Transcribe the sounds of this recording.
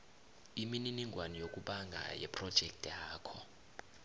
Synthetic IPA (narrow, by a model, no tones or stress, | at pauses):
imininiŋʱwanijokʼuɓaŋɡʱa̰jɛ̰pʰʼrɔd̥ʒ̥ʱɛk̚tʰʼjaːkʰɔ